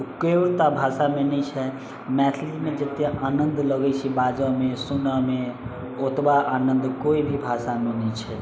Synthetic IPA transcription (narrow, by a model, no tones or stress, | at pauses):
keɾt̪abʱasamenəjt͡ʃʰɛ | mɛt̪ʰild͡ʒimed͡ʒət̪eʔanənd̪ləɡɛjt͡ʃʰibad͡ʒəmesunəme | ot̪baʔanənd̪koibʱibʱasanənət͡ʃʰɛ